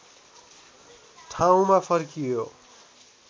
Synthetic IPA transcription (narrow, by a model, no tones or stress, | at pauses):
ʈʰaw̃mapʰʌɾkijo